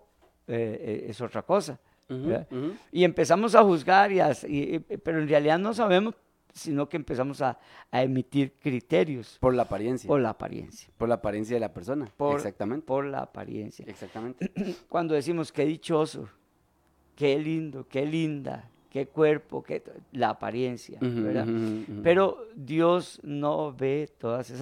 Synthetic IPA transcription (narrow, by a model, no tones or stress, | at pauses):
eeḛso̞t̪ɾako̞sa | aie̞mpe̞samo̞s̬axuzɣaɾiasipe̞ɾoenrealiðaðnos̬aβ̞e̞mos | sino̞keːmpe̞s̬amosaː | emit̪iɾkɾit̪eɾjospoɾlaːpaɾjensjapoɾlaːpa̰ɾjḛnsjḁpoɾlaːpaɾjens̬jaðelapeɾsonapoɾsak̚t̪amẽnt̪poɾla̰ːpa̰ɾjḛnsja̰eksakt̪amẽnkwand̪o̞ðes̬imoske̞ðit͡ʃo̞so̰ | kelind̪okelind̪a̰ | kekwe̞ɾpo̰kelaːpa̰ɾje̞nsja̰beɾða̰pe̞ɾo̞d̪josnoβe̞t̪o̞ðases